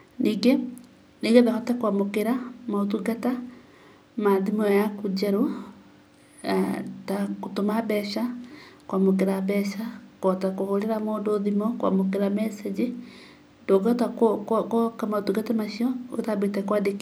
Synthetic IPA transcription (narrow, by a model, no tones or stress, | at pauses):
niːɡe | niɡeðahɔtɛkwamokeɾamaotuɡata | maðimɔjakud͡ʒaɾo | atakotomabɛʃakwamok̬eɾabɛʃakɔtakohoɾeɾamoːndoðimɔkwa̰mokeɾamɛsɛd͡ʑe | doɡatakokkɔkamaotuɡatamaʃiɔo̰tabetɛkwadek